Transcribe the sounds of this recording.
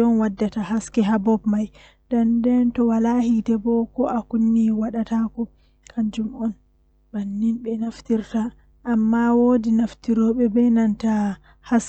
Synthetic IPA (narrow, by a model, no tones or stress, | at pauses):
ɔnwadːataɦaskɛɦabɔbmaj | dandɛntɔwalahitɛbɔkɔʔakunːiwaɗatakɔ | kʰaɲd͡ʒumɔn | banːinɓɛnaftiɾta | ʔːmːawodinaftiɾɔɓɛbɛnanta | has